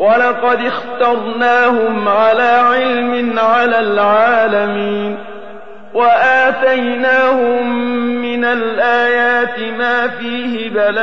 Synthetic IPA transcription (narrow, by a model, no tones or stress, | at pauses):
walɑqɑd̪ɪxt̪ɑɾˤnaːhʊmʕalaːʕɪlmɪnʕalaːlʕaːlamiːn | waʔaːt̪ajnaːhʊmːɪnalʔaːjaːt̪ɪmaːfiːhɪbala